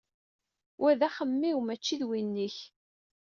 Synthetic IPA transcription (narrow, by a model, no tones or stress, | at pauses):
wʔæðæχəmːiwmæt͡ʃːiðwinːiç